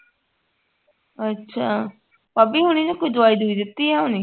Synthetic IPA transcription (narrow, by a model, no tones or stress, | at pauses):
ətːʃʰaː | paːbiːɦʊñĩːnãːkʊd̪ʊaːiːd̪uiːd̪ɪt̪ːiːɦɛːɦonĩː